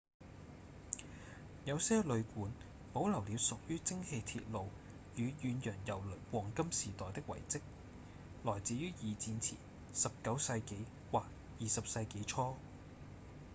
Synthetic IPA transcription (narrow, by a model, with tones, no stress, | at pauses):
jɐ˨˧wsɛː˥lɵ˨˧ɥkuː˨˥n | po˨˥wlɐ˨˩wliː˨˧wsʊ˨k̚jyː˥t͡sɪ˥ŋhe˧jt̪ʰḭ˧t̚lo˨w | jyː˨˧jyː˨˧njœː˨˩ŋjɐ˨˩wlɵ˨˩wɔː˨˩ŋkɐ˥msiː˨˩t̪ɔː˨˩jt̪ɪ˥k̚wɐ̰˨˩jt͡sɪ˥k̚ | lɔː˨˩jt͡siː˨˥jyː˥jiː˨˧t͡siː˧nt͡sʰḭ˨˩ | sɐ˨p̚kɐ˨˥wsɐ˧jke˨˥j | waː˨˩k̚ | jiː˨sɐ˨p̚sɐ˧jke˨˥jt͡ʃʰɔː˥